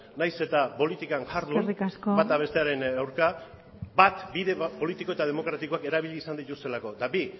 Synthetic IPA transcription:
najse̞t̪apo̞lit̪ikanʝaɾðurikaskobat̪aβ̞e̞st̪eaɾe̞nawɾka | bat̪biðe̞po̞lit̪iko̞e̞t̪að̞e̞mo̞kɾat̪iko̞ake̞ɾaβiʎiisand̪it̪ust̪e̞lako̞d̪abi

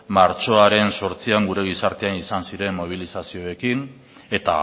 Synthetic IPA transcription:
maɾt͡ʃo̞aɾe̞nso̞ɾt͡siaŋɡuɾe̞ɣisaɾt̪e̞anisansiɾe̞mmo̞β̞ilisasio̞e̞kin | e̞t̪a̰

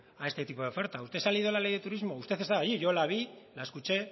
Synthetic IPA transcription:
ae̞st̪et̪ipoðeo̞fe̞ɾt̪aust̪e̞saliðolale̞jðet̪uɾizmo̞ust̪e̞t̪e̞zd̪aβajiʝo̞laβ̞ilaskut͡ʃe̞

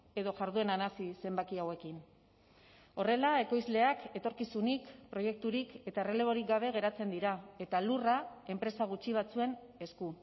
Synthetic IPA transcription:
e̞ðo̞ʝaɾðue̞nanasise̞mbakiawe̞kin | o̞re̞lae̞ko̞jzle̞ake̞t̪o̞ɾkisunikpɾo̞je̞k̚t̪uɾike̞t̪ae̞re̞le̞βo̞ɾik̚ɡaβ̞e̞ɣ̞e̞ɾat͡se̞nd̪iɾae̞t̪alurae̞mpɾe̞saɣ̞ut͡ʃiβ̞at͡sue̞n | e̞sku

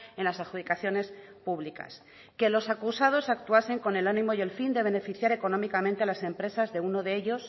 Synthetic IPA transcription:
e̞nlasaxuð̞ikaθjo̞ne̞spuβlika̰s | ke̞lo̞sakusað̞o̞sakt̪uase̞ŋko̞ne̞lanĩmo̞je̞lfind̪e̞β̞e̞ne̞fiθjaɾe̞ko̞nõ̞mikamẽnt̪ealase̞mpɾe̞sazðe̞uno̞ð̞e̞eʎo̞s

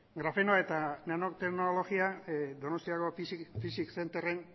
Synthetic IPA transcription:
ɡɾafenoae̞t̪anenokt̪eknolo̞ɣiad̪o̞no̞st̪iako̞fisikse̞nt̪eren

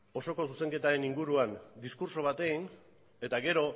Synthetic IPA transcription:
o̞so̞ko̞suse̞ŋke̞t̪aɾe̞niŋɡuɾuand̪iskuɾso̞βat̪e̞in | e̞t̪aɡe̞ɾo̞

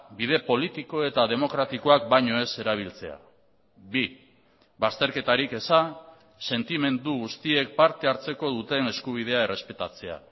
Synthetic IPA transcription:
bið̞e̞po̞lit̪iko̞e̞t̪að̞e̞mo̞kɾat̪iko̞ak̚bajɲo̞e̞se̞ɾaβ̞ilt͡se̞a̰ | bi | βast̪e̞ɾke̞t̪aɾike̞sa | se̞nt̪ime̞nd̪uɣust̪ie̞k̚paɾt̪e̞aɾt͡se̞ko̞ðut̪e̞ne̞skuβ̞ið̞e̞ae̞re̞spe̞t̪at͡se̞a̰

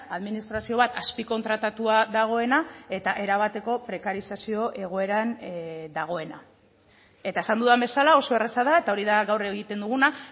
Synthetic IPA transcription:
aðminist̪ɾasio̞β̞at̪aspiko̞nt̪ɾat̪at̪uaðaɣ̞o̞e̞nae̞t̪aʔe̞ɾaβ̞at̪e̞ko̞pɾe̞kaɾisasio̞ʔe̞ɣ̞o̞e̞ɾand̪aɣ̞o̞e̞na̰ | e̞t̪ae̞sand̪uðambe̞salao̞so̞e̞resaðae̞t̪ao̞ɾiðaɣawre̞ɣit̪e̞nd̪uɣ̞una

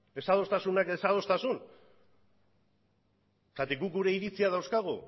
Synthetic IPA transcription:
e̞saðo̞st̪asunakesaðo̞st̪asun | t̪at̪ikɡukɡ̚ɡuɾe̞iɾit͡siaðawskaɣ̞ṵ

